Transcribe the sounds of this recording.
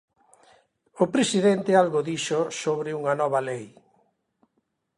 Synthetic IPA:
ʊpɾesiðent̪ɪalɣoðiʃʊsoβɾɪuŋɐnɔβɐlej

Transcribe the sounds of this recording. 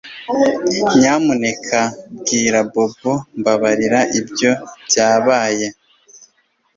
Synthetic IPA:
ɲaːmune̞kʰabɡiːɾabo̞bombaβaɾiɾaʔibjo̞bjaːβaːje

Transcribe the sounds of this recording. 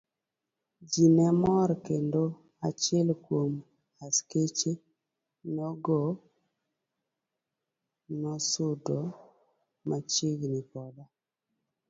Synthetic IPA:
d͡ʒinɛmɔɾkendo | at͡ʃɪɛlkwom | asket͡ʃe | nɔɡɔ | nɔsʊdɔ | mat͡ʃiɡnipɔda

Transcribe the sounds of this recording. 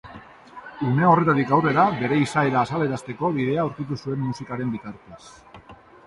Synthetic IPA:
ume̞o̞re̞t̪at̪ikawre̞ɾabe̞ɾe̞isae̞ɾaːsaleɾast̪e̞ko̞βiðe̞auɾkit̪usue̞mːusikaɾe̞mbit̪aɾt̪e̞s

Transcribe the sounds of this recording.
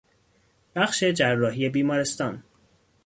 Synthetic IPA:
b̥æχʃe̞d͡ʒærːɒːɦije̞biːmɒːɾest̪ɒːn

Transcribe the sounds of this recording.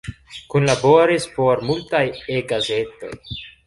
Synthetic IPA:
kunlaboɾispo̞ɾmultajeɡaze̞to̞̰j

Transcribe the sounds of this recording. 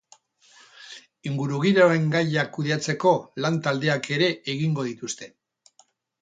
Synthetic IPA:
iŋɡuɾuɣ̞iɾoe̞ŋɡajakuð̞iat͡se̞ko̞lant̪ald̪e̞ake̞ɾe̞ʔeɣiŋɡo̞ð̞it̪ust̪e̞

